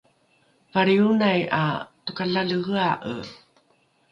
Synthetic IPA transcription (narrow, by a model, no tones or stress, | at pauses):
vaɾiunaja̰tukaɬaɮəɣəaʔə̰